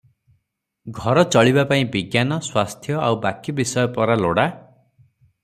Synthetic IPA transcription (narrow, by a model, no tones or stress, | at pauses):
ɡʱɔɾɔt͡ʃɔɭibapaĩbiɡjanɔswast̪ʰjɔawbakibisɔjɔpɔɾaloɽa